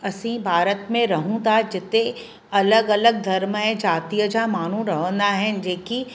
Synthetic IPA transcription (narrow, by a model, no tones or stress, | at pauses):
ɐsĩbʱaːɾət̪mẽɾɐɦũt̪ad͡ʒɪt̪ẽ | ɐləɡɐləɡ̚d̪ʱɐɾmɦɛ̃d͡ʒaːt̪ijəd͡ʒamaːn̤ũɾɐɦə̃nd̪aɦɛ̃d͡ʒeːki